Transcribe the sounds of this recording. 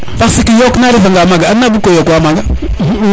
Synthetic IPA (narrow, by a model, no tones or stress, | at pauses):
fasikijoknaɾivaŋɡamaɡaanabukojokwamaɡa